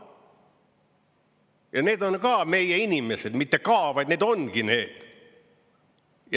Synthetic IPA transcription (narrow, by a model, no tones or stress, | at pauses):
jɑne̞ːd̪o̞nkɑːme̞jeinʲimesed̪mit̪ːekɑːvɑjd̪neːd̪o̞nɡine̞ːd̪̥ | jɑ